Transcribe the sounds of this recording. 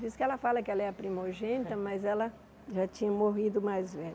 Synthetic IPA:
viskɪɛlɐfalɐkɪɛlɐɛɾɐpɾimoɾʒẽnit̪ɐmɐzɛlɐ | ʒat͡ʃĩɲɐmoɦid̪ʊmajzvɛʎ

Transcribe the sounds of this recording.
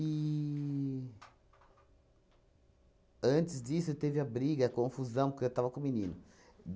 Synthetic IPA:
i | ɐ̃nt͡ʃɪzd͡ʒisʊewt̪evɪɐbɾiɡɐɐkõfuzɐ̃w̃pʊɾkewt̪avɐkõminĩnʊ

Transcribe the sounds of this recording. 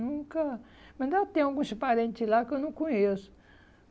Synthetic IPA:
nũkɐmɐ̃nd̪at̪ẽj̃aɡũsipaɾẽnt͡ʃ̪ɪlakewnɐ̃w̃kõɲesʊ̥

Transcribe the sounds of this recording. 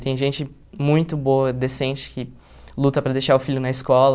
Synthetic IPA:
t̪ẽj̃ʒẽnt͡ʃɪ | mũj̃t̪ʊboɐd̪esẽnt͡ʃɪ̥kɪ | lut̪ɐpɾɐd̪ejʃaɾʊfiʎʊnɐiskɔlɐ

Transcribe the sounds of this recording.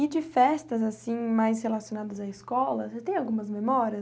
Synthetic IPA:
ɪd͡ʒɪfɛst̪ɐzasĩmajshelasijonad̪ɐzaɪskɔlɐst̪ẽj̃awɡũmɐzmemɔɾiɐ

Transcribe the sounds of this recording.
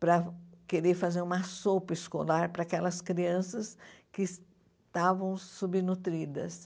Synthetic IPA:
pɾɐkeɾeɾfazeɾũmɐsopɐɪskolaɾpɾɐːkɛlɐskɾiɐ̃sɐskɪs | t̪avɐ̃w̃subinut̪ɾid̪ɐ̰s

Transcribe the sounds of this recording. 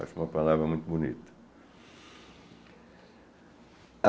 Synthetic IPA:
a̰sumɐpalavɾɐmũj̃t̪ubunḭt̪ɐ̥

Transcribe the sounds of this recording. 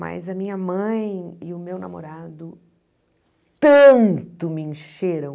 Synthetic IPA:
ma̰jzɐmĩɲɐmɐ̃j̃ɪʊmewna̰moɾad̪ʊ | t̪ɐ̃nt̪ʊmɪẽʃeɾɐ̃w̃

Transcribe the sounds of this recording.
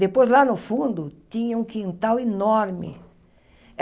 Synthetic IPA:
d̪epojzlanʊfũnd̪ʊt̪ĩɲɐũŋkĩnt̪awenoɾmɪ̰

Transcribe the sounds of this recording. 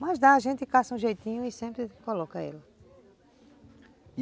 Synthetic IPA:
mɐzd̪aɐʒẽnt̪ɪkasɐũʒejt̪ĩɲʊ̃ɪsẽmpɾɪkolɔkɐɛ̰lɐ

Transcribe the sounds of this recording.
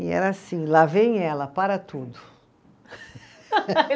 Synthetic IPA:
ɛ̰ɾɐasĩlavẽj̃ɛlɐpaɾɐt̪ʰud̪ʊ

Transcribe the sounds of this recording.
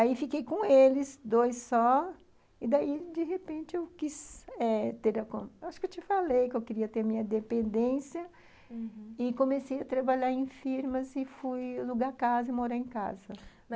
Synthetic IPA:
aifikejkõelɪsd̪ojsːɔ | ɪd̪aid͡ʒ̪ɪɦepẽnt͡ʃɪewkisɛt̪eɾɐkõwaʃʊkewt͡ʃɪfalejkɪewkɪɾiɐt̪eɾɐmĩɲɐd̪epẽnd̪ẽsjɐ | ɪkõmesejɐt̪ɾabaʎaɾẽj̃fiɾmɐzɪfujloɡakazɐɪmoɾejẽka̰zɐ

